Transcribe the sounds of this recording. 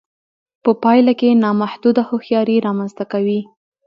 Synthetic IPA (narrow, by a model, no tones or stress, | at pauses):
pəpɑjlakenɑmahd̪ud̪ahoxjɑɾiɾɑmanzt̪akawi